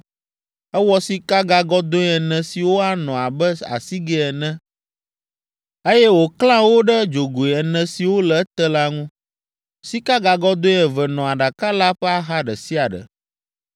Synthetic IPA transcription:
ɛ˦wɔ˦si˦ka˦ɡa˨ɡɔ˦d̪o˦ɛ˨nɛ̃˨si˨wo˦a˦nɔ̃˨a˨bɛ˦a̰˨si˦ɡɛ˦ɛ˨nɛ̃˦ | e˦jɛ˦wo˨klã˦wo˦ɖɛ˦d͡ʒo˨ɡo˨i˨ɛ˨nɛ̃˨si˨wo˦lɛ˨˦t̪ɛ˦la˦ŋũ˦ | si˦ka˦ɡa˨ɡɔ˦d̪o˦ɛ̃˨vɛ˨nɔ̃˨a˨ɖa˨ka˦la˦ɸɛ˦a˦ɦa˦ɖɛ̰˨si˦a˨ɖə̰˨

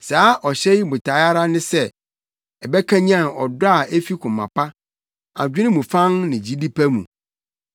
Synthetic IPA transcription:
saː˦ʔɔ˨ɕɛ˦ji˦bʊ˨tʰa˨˦a˦ɾa˦nɪ̃˦sɛ˦ | ɛ˨bɛ˦kʰã˦ɲ˦ã˦˨ɔ̰˨dʊ˦a˨e˦fi˦kʰʊ̃˨mːã̰˨pʰa˦ | a̰˨d͡ʑᶣʊ˦ɪ̃˦mũ˨fã˦ŋnɪ̃˨d͡ʑi˦di˦pʰæ˦mṵ̃˨

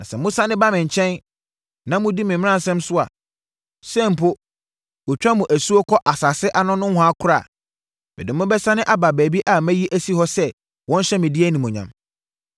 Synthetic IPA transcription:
nã˨sɛ˨mʊ̃˦sã˦nɪ̃˦ba˦mɪ̃˨ɲ̩˨t͡ɕʰɛ̃˦n | nã˨mʊ̃˦di˦mɪ̃˨mɪ̃˦ã˦n˨sɛ̃˦msʊ˦a̰˨ | sɛ̃˦˨m˨pʰo˦ | wɔ˨t͡ɕᶣa˦mũ˨ʔæ˨su˦o˦kʰɔ˦ʔa˨sa˨sɪ˦ʔa˦nʊ̃˦nʊ̃˦hɔ̃˦a˦kʰʊ˦ɾa˦˨ | b̥ɛ˨dɪ̃˨mʊ̃˦bɛ˦sã˦nɪ̃˦ʔa˦ba˨bæː˨bi˦ʔa˨mæ̃˦ji˦ʔæ˦si˦hɔ˦sɛ˦ | wɔ̃˦n˦ɕɛ˦mɪ̃˨dɪ˦æ˦nĩ˨mʊ̃˨ɲã̰˨m

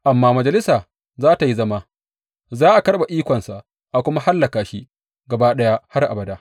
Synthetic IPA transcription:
ʔa˨mːaː˦mɐ˨d͡ʒɐ˨lɪ˦saː˨ | zaː˦ta˨ji˦zɐ˦ma˦ | zaː˦ʔa˨kɐ˦rɓa˨ʔiː˦kʷɔ˨nsa˨ʔ | ʔa˨kʷʊ˦ma˦ha˦lːɐ˨kaː˨ʃi˦ | ɡɐ˨ba˦ɗɐ˦ja˦ha˦rʔa̰˨bɐ˨daː˦ʔ

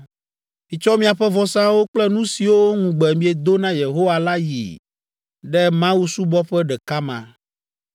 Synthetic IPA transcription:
mĩ˨t͡ʃɔ˦mĩ˦a˨ɸɛ˦vɔ˨sã˦wo˦k͡plɛ˦nũ˦si˨wo˦ŋũ˨ɡ͡bɛ˨mĩ˦ɛ˨d̪o˦nã˦je˨ɦo˦wa˨la˦jḭ˨ | ɖɛ˦mã˦wu˦su˦bɔ˦ɸɛ˦ɖɛ˨ka˦mã̰˨

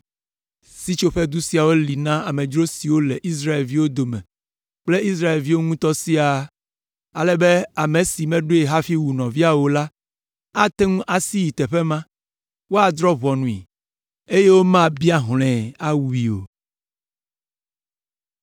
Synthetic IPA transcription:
si˦t͡ʃo˦ɸe˦d̪u˦si˦a˨wo˦li˨nã˦a˨mẽ˨d͡ʒɾo˦si˨wo˦lɛ˨ʔi˦s̬ɾa˦e˨lvi˦wo˦d̪o˨mɛ̰̃˨ | k͡ple˦i˦s̬ɾa˦e˨lvi˦wo˦ŋũ˦t̪ɔ˦si˦a˨ | a˨lɛ˦be˦a˨mẽ˨si˨mɛ̃˦ɖo˦e˨ɦa˦fi˦wu˨nɔ̃˨vi˦a˨wo˨la˦ | a˦t̪e˦ŋũ˦ʔa˨si˦ji˨t̪ɛ˨ɸɛ˦mã˦ | wo˦a˨d̪ɾɔ˦βɔ˨nũ˨ḭ˨ | e˦je˦wo˦mã˦bi˦a˦ɦl̃ɛ̃˨a˦wu˦i˨o̰˨

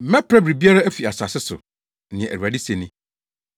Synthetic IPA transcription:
mɛ̃˦pʰɾɛ˦bɾi˨bi˦a˦ɾa˦æ˦fi˨a˨sa˨sɪ˦sʊ̰˨ | nɪ̃˨ɛ̃˨ʔæ˨a˨dɪ˦se˨nĩ˦

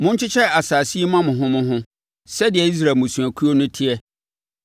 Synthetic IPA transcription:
mʊ̃˦ɲ̩˦t͡ɕɪ˦t͡ɕʰɛ˦˨a˨saː˨si˦mã˦mʊ̃˨ɦʊ̃˦mʊ̃˦ɦʊ̃˦ | sɛ˦dɪ˨ɛ˨i˦s̬ɾa˨mʊ̃˨sũ˨æ˨kʰu˦o˦nʊ̃˦tʰɪ˦ɛ˦

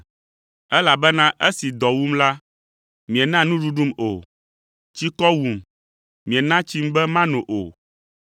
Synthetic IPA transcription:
ɛ˦la˨bɛ˦nã˦ʔe˦si˨d̪ɔ˨wu˦mla˦ | mĩ˨e˨nã˦nũ˦ɖu˦ɖu˦mo˨ | t͡ɕi˦kɔ˦wu˨m | mĩ˨e˨nã˦t͡ɕi˦m˦bɛ˦mã˦nũ˨ʔo̰˨

